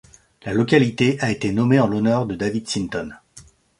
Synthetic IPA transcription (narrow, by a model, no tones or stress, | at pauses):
lalɔkʲalit̪eʔaet̪enɔmeɑ̃lɔnœʁd̪əd̪avid̪sint̪ɔn